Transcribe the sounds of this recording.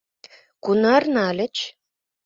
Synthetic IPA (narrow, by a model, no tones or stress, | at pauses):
kunɑrnɑlʲɘ̆t͡ɕ